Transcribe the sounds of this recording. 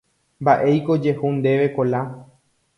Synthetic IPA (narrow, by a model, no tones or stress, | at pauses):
mbaʔe̞jko̞d͡ʒe̞hund̪e̞ʋe̞kola